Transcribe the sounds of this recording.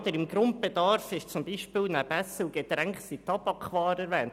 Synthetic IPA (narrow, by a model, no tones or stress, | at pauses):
d̪əɾɪmɡɾʊnt̚b̥ed̪ɑrfɪʃt͡sʊmbiːʃpɪːlnæbɛsəlɡ̥ed̪ɾɛŋksitɑbɑkʰχʋɑːɾɛɾʋɛːnt